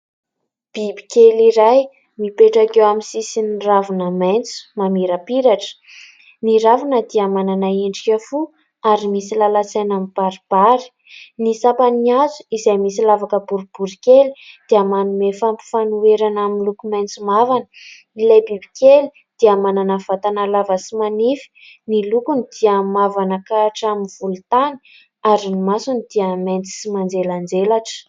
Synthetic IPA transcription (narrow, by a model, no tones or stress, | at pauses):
b̥ibi̥kʲeliɾaj | mipeʈ͡ʂakewamisisinravunəmajnt͡su̥mamiɾəpiɾaʈ͡ʂə̥ | niɾavunəd̪iamananaeɳɖ͡ʐikʲafu | aɾimisilalat͡sajnamib̥aɾib̥aɾi̥ | nisapaniazu̥izajmisilavakəbuɾib̥uɾikeli̥d̪̥iəmanumefampi̥fanueɾanaminlukumajnt͡simavanə̥ | ilajbibi̥kʲeli | d̪̥iəmananəv̥at̪anəlavəsimanifi̥nilukunid̪̥iəmavanakaʈ͡ʂaminvulut̪ani̥ | aɾinimasunid̪̥iəmajnt͡si̥simand͡zeland͡zelaʈ͡ʂə̥